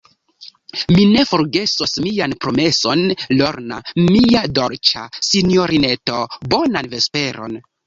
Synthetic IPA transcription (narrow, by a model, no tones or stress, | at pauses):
mine̞fo̞ɾɡe̞sosmianpɾo̞me̞so̞nlo̞ɾna̰miado̞ɾt͡ʃa̰sinjo̞ɾine̞to̞bonanve̞spe̞ɾo̞̰n